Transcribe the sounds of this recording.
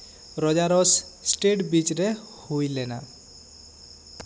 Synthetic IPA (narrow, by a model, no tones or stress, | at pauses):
ɾɔd͡ʒaɾɔssʈeʈbit͡ʃɾehujlɛna̰